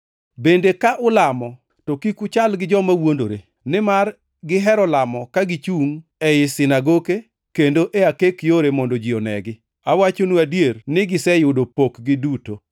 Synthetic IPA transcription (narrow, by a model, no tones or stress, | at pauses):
bendekaʔʊlamɔ | tokikʊt͡ʃalɡɪd͡ʒɔmawondoɾḛ | nɪmar | ɡɪɦɛɾɔlamɔkaɡɪt͡ʃuŋɛɪsɪnaɡoke | kendoʔeakekjoɾemɔndod͡ʒiɔnɛ̰ɡɪ | awat͡ʃonuadjernɪɡɪsɛjʊdopokɡɪduto